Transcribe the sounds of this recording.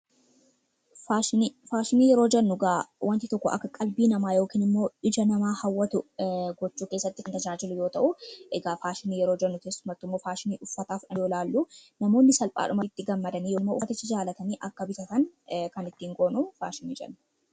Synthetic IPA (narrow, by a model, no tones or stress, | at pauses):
faːʃɪfaːʃɪniːjɛɾo̞ːd͡ʒɛnːʊɡaːwʔɐnt̪ɪt̪ɔkːɔʔɐ̰kːɐkʼɐlbiːnɐmaːjo̞ːkiːnɪmːo̞ːɪd͡ʒɐnɐmaːhɐwːɐt̪ʊɡɔt͡ʃːuːke̞ːsːɐt̪ːɪkɐnt̪ɐd͡ʒaːd͡ʒɪlʊjo̞ːt̪ɐʔʊʔɛɡaːfaːʃɪniːjɛɾo̞ːd͡ʒɛnːʊkeːsːʊmɐt̪ːɪmːo̞ːfaːʃɪniːʔʊfːɐt̪aːfɐjoːlaːlːunɐmo̞ːnːɪsɐlpʼa̰ːᶑʊmɐt̪ːɪɡɐmːɐd̪ɐniːjoːmːoːfɐt̪ɪt͡ʃːɪd͡ʒaːlɐt̪ɐniːʔɐkːɐbɪt̪ɐt̪ɐnkɐnɪt̪ːiːŋɡoːnʊfa̰ːʃɪnḭːd͡ʒɐ̰nːʊ